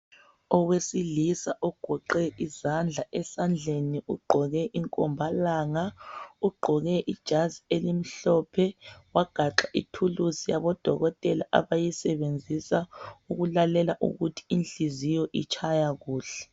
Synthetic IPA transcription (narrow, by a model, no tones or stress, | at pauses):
ɔwesilisaʔɔɡ̥ʱɔǃɛizand͡ɮʱaʔɛsand͡ɮʱeniuɡ͡ǃʱɔɣɛʔiŋkʼɔmbʱalaːŋauɡ͡ǃʱɔɣɛʔid̥ʒ̥ʱazielim̩ɬɔpʰɛwaɡ̥ʱaǁaʔitʰuluzijaβɔd̥ʱɔɣɔtʼɛlaʔa̰βajisɛβend͡zʱisauɣulalɛlaʔṵɣutʰi̥inɬizijɔʔit͡ʃʰajaɣuːɬɛ̥